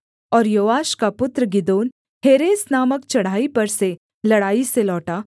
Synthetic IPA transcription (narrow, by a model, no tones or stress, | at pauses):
ɔːɾjoʋaʃkapʊt̪ɾəɡid̪oːn | heɾesnaməkt͡ɕɐɽ̤aipəɾse | ləɽaːiselɔːʈa